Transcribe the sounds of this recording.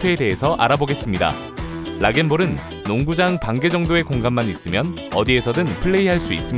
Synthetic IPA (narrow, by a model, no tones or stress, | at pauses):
tʰweːde̞ɦesʰʌʔa̰ɾaboɡe̞s͈ɯmɲida̰ | ɾaɡe̞nboɾɯnː | oŋɡud͡ʑaŋpaŋɡe̞d͡ʑʌŋdoe̞koŋɡamːanis͈ɯmjʌn | ʌdie̞sʰʌdɯnpʰɯɭːe̞iɦaɭs͈uis͈ɯm